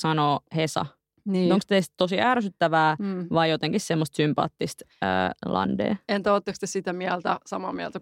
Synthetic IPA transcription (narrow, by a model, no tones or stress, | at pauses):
sɑnoːhesɑ̰ | nioŋkst̪eist̪t̪osiæːɾæsyt̪ːæʋæːʋɑijot̪eŋkissemːost̪sympɑ̰ːt̪ːist̪ø̰ːlʔɑ̰ndḛːent̪æoːt̪ːekst̪esit̪æmiælt̪æsɑmɑːmiæ̰lt̪æ